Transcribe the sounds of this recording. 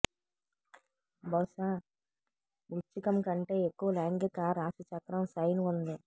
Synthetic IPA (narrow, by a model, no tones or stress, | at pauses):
bɐwʃaː | ʋut͡ʃːikɐmkɐɳʈe̞ːekːuʋɐlaːŋɡikaːɾaːsut͡ʃɐkɾɐmsɐjnund̪i